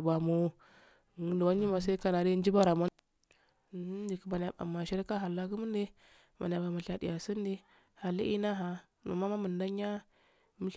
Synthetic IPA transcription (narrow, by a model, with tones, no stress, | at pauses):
ba˨mo˦˨ | ŋ˨˦du˨wa˦ɲi˦ma˨s̬a˦ka˨na˨ɾi˦n˦d͡ʒi˦ba˦ɾa˨ma˦˨˦ | d͡ʒi˨ki˨ma˨n˨a˨ba̰˨mːa˨ʃi˦ɾi˦ka˦ɦa˨la˦ku˦mu˦n˦de˦ | ma˨n˨a˨ba˨ma˨ɬa˨dḭ˨ja˨si˦n˦di˦ | ha˨li˦ʔi˦na˦ɦa˨ | nṵ˨ma˦ma˦mə˨nda˦ɲ˦a˦ | mi˦